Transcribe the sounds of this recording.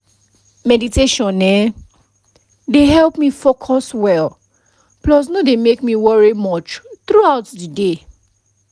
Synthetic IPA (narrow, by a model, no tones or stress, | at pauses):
mɛditeʃɔ̃nɛ | deɦɛlpmifokʰɔswɛl | plɔs̬nodemekmiwɔɹimɔt͡ʃθɹuaʊtdide